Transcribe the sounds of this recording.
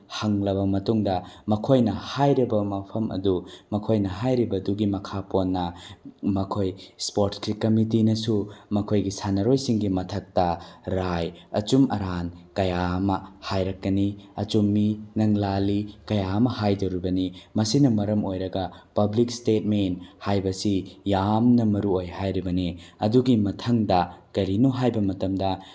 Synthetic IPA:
hɐŋlɐbɐmɐtuŋdɐmɐkʰojnɐhajɾibɐmɐpʰɐmʔɐ̰dumɐkʰojnɐɦajɾibɐduɡimɐkʰaponːɐmɐkʰojspoɾʈskikɐmit̬inɐsumɐkʰojɡisanɐɾojsiŋɡimɐtʰɐk̚tɐɾajɐ̰t͡ʃumʔɐɾankɐjaɐmɐhajɾɐkːɐniɐt͡ʃumːinɐŋlalikɐjaɐmɐhajdɐwɾibɐnimɐsinɐmɐɾɐmojɾɐɡɐpɐblikstet̚menthajbɐsijamnɐmɐɾuojhajɾibɐniɐduɡimɐtʰɐŋdɐkɐɾinoɦajbɐmɐtɐmdɐ

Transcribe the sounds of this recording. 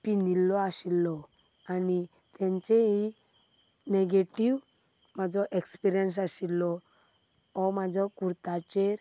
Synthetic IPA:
pinilːɔaɕilːɔ | ani | t̪ãɲt͡ɕeɦi | neɡeʈiʋ | mad͡zɔʔekspiɾijəns̬aɕilːɔ | ɔmad͡zʱɔkuɾt̪at͡ɕeɾ

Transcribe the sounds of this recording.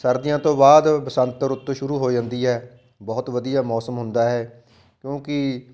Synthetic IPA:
səɾd̪ɪjãːt̪õːbaːd̪bəsə̃nt̪ːəɾʊt̪ːʃʊɾuːɦoːd͡ʒãːnd̪iːɦɛː | bɔːʊt̪ʋəd̪ijaːmɔːsəmɦʊnd̪aːɦɛː | kjõːkɪ

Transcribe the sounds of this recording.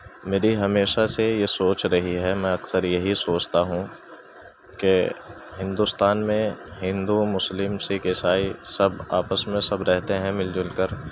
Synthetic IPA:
meːɾiɦɐmeːʃasejesoːt͡ʃɾɐɦiɦɛmɛ̃ɐksəɾjɐɦisoːt͡ʃt̪aɦũ | ke | ɦɪ̃nd̪ust̪aːnmẽɦɪ̃nd̪umʊslɪmsekeːsaːisɐbaːpəsmẽsɐbɾɛɦt̪eɦɛ̃mɪld͡ʒʊlkəɾ

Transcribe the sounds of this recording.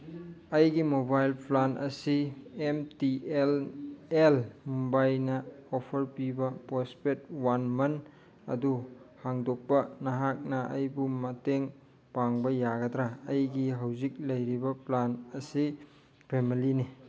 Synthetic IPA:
ɐjɡimobajlplanʔɐ̰siemtielelmumbajnɐopʰɐɾpibɐpospet̚wanmɐn | ɐ̰duhaŋdok̚pɐnɐɦak̚nɐʔɐ̰jbumɐteŋ | paŋbɐjaɡɐdɾaːjɡiɦawzik̚lɐjɾibɐplanɐsi | pʰemilini

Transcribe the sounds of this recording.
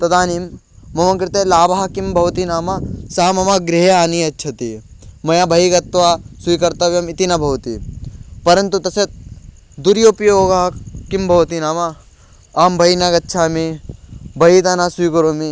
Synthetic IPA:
t̪ɐt̪aːnimː | ɐmɐkɾɪt̪elaːbaɦɐkimbʱɐʋt̪inaːmɐsaːmɐmaɡɾiɦeaːniɐtːʃʰɐt̪imɐjabʱɐiɡɐt̪ʋaːsuikɐɾt̪ɐʋjɐmit̪inɐbʱɐʋt̪ḭpɐɾɐnt̪ut̪ɐset̪̚ | d̪uɾjopjoːɡɐɦɐkimbʱɐʋt̪inaːmɐ | aːmbʱɐinaɡɐtːʃʰaːme | bʱɐɦit̪anaːsuikɐɾoːme

